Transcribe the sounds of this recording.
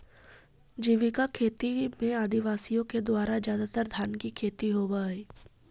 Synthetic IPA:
d͡ʒiʋikakʰeːt̪imẽaːd̪iʋaːsijõked̪ʊaːɾad͡ʒjaːd̪at̪əɾd̪ʱaːnkikʰeːt̪iɦoːbaːɦɛː

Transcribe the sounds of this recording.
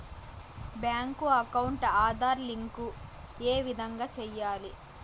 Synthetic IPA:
bjaːŋkuɐkɐwuɳʈaːd̪ʱaːɾliŋkueːʋid̪ʱɐŋɡaːt͡ʃɛjːaːli

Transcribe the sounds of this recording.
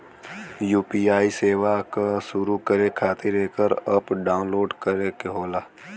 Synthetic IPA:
juːpiːaːiseːʋakaʃʊɾukəɾekʰaːt̪ʰɪɾeːkəɾəpɖaːʊ̃nloːɖkəɾekeɦoːlaː

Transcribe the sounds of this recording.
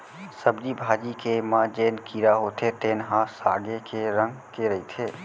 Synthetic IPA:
səbd͡ʒibʱaːd͡ʒikemãːd͡ʒeːnkiːɾaɦoːt̪ʰet̪eːnɦãːsaːɡekʰeɾə̃ŋɡkeɾɐɦit̪ʰeː

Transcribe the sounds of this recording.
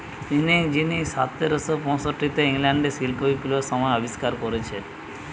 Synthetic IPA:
t̪inid͡ʑinisat̪ːeɾosopɔnsoʈːit̪eiŋlaɳɖesilpoipuloɾsɔmɔeɔbiskaɾkoɾet͡ɕʰe

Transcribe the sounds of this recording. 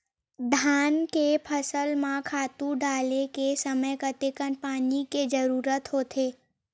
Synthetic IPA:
d̪ʱankepʰəsəlmãkʰat̪ũɖalekesəməjkət̪ekənpaniked͡ʒəɾuɾət̪ɦot̪ʰe

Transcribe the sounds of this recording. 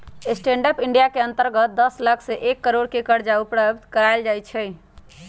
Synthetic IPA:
esʈẽɳɖəpiɳɖijakeənt̪əɾɡət̪̚d̪əsləkʰseʔekːəɾoɽkekəɾd͡ʒaupɾəbt̪kəɾajld͡ʒajt͡ʃʰɛ

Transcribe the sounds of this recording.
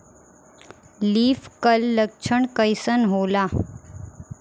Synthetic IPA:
liːfkəlːəkʂʰəɳkəjsənɦola

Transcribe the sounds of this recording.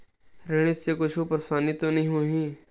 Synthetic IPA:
ɾeɽ̃ɪsekʊt͡ʃʰuːpəɾsaːniːt̪oːnəɦĩɦoːɦĩː

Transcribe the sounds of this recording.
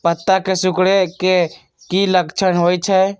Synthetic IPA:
pət̪ːakesukɽeke | kiləkt͡ʃʰənɦojt͡ʃʰɛ

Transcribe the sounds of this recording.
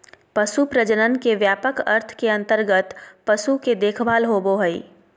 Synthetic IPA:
pɐsupɾəd͡ʒənənkeʋjaːpəkɐ̰ɾt̪ʰkeɐ̃nt̪əɾɡət̪pɐsuked̪eːkʰbʱaːlɦoːboɦəḭ

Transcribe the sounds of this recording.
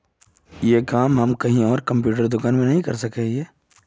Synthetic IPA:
jeːkaːmɦɐmkɐɦĩɔːɾkɐ̃mp̬juːʈəɾd̪ʊkaːnmẽnɐɦĩkɐ̰ɾsɐkeeː

